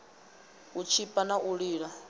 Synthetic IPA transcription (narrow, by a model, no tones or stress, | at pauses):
ut͡ʃʰipʼanaʔuɺiːɺa